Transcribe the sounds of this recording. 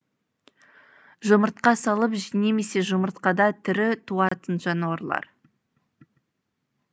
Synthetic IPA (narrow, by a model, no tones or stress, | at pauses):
ʒʊməɾt̪̚qɑsɑlˠəpʒine̞me̞se̞ʒʊməɾt̪qɑd̪ɑt̪ʰʏɾɪt̪ʰuɑt̪ənʒɑnwɑɾlˠɑ̰ɾ